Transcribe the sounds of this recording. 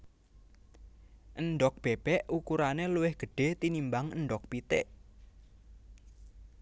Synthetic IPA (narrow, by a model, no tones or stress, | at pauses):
ʔənɖɔk̚b̥eb̥ɛʔukuɾaneluwɪhɡ̥ə̤ɖ̥e̤t̪inimbaŋənɖɔk̚pit̪ḛʔ